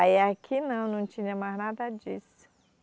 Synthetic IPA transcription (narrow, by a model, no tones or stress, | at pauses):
aɛakʰinɐ̃w̃nɐ̃w̃t͡ʃĩɲɐmaznad̪ɐd͡ʒisʊ̥